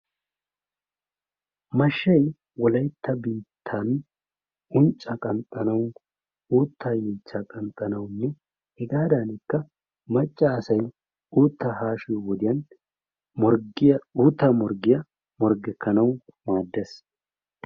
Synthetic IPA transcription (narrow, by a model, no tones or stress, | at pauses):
mɐʃːɐj | wɔlɐjt̪ʰːɐbiːt̪ʰːan | ʊnt͡ʃʼːɐkʼɐnt̪ʼɐnɐw | uːt̪ːaːjɛːt͡ʃːaːkʼɐnt̪ʼːɐnɐwnːɛ | hɪɡaːd̪aːnɪkːɐ | mɐt͡ʃʼːaːsɐj | uːt̪ːɐhaːʃɪjwɔd̪ɪjɐn | uːt̪ːɐmɔɾɡɪjɐ | mɔɾɡɛkːɐnɐwmaːd̪ːɛs